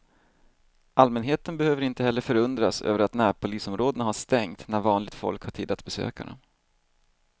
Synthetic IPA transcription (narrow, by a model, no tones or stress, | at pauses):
ʔalmɛnɦeːt̪ənbɛhøːvəɾɪnt̪əɦɛlːəɾfœɾɵnd̪ɾasø̰ːvəɾat̪næːɾpʰʊliːsɔmɾoːd̪ənahaʂt̪ɛŋt̪næɾvɑːnlɪɡ̚t̪fɔ̰lkhaʈʰiːd̪ːat̪bɛsø̰ːkaɳa̰